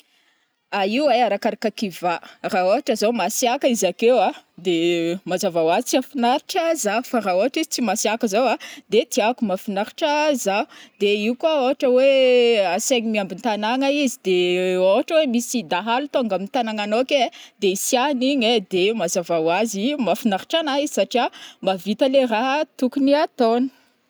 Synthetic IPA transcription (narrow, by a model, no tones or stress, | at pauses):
aiuaaɾakaɾakakivaraoaʈ͡ʂəzomasiakəizakewad̪emazavawazit͡siafinaɾiʈ͡ʂəzaufaɾaoaʈ͡ʂizi̥t͡simasiakəzowad̪et̪iakumafinaɾi̥ʈ͡ʂəzad̪̥eiukwaoɦaʈ͡ʂəweaseɲimiambint̪anaŋaizid̪eoɦaʈ͡ʂəwemisid̪aɦalut̪oŋɡamint̪anaŋanoked̪eisianiɲed̪emazavawazimafinaɾi̥ʈ͡ʂanaizisaʈ͡ʂiamavit̪əleraɦət̪ukuniat̪onə̥